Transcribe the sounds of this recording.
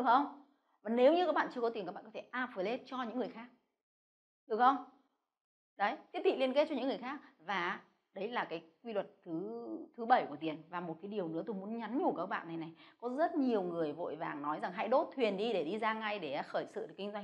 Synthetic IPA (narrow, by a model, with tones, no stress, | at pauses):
ɗɨ˨˩ək̚xə˧wŋ͡m | vaː˨˩ne˨˦wɲɨ˧ka˦˥k̚ɓa̰ː˧˨t͡ɕɨ˧kɔ˨˦t̪i˨˩kaː˦˥ɓaː˧˨kɔ˨˦t̪ʰe˧˩ʔaː˧və˨˦jle˦˥t̚t͡ɕɔ˧ɲɨ̰˧˥ŋːɨ˨˩əjxaː˦˥k̚ | ɗɨ˨˩ək̚xə˧wŋ͡m | ɗə˨˦jt̪ʰi˦˥ət̪̚ḭ˧˨li˧ənke˦˥t̚t͡ɕɔ˧ɲɨ̰˧˥ŋː˨˩ə˩jxaː˦˥k̚vaː˨˩ | ɗə˨˦jlaː˨˩kaː˨˦jk̚wi˧lwə˨˩t̚t̪ʰɨ˨˦t̪ʰɨ˨˦ɓə˧˩jku˧˩ət̪i˨˩ənvaː˨˩mo˨˩t̚kaː˨˦jɗi˨˩əwnɨ̰˧˥ət̪o˧˩jmu˨˦ənɲa˨˦nɲu˧˩kaː˦˥k̚ɓa̰ː˧˨nːa˨˩jna˨˩jkɔ˨˦zə˦˥t̚ɲi˨˩əwŋɨ˨˩əjvo̰˧˨jvaː˨˩ŋnɔ˨˦jza˨˩ŋɦa̰˧˥jɗo˦˥t̚t̪ʰwi˨˩ənɗi˧ɗe˧˩ɗi˧zaː˧ŋa˧jɗe˧˩˨xəː˧˩jsɨ̰˧˨˩kï˧ŋ̟zwa˧ŋ